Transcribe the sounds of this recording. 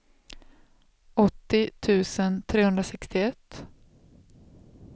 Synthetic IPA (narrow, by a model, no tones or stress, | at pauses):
ɔt̪ːɪt̪ʰʉ̟ːsənt̪ʰɾeːhɵnd̪ɾasɛkst̪ɪɛt̪ː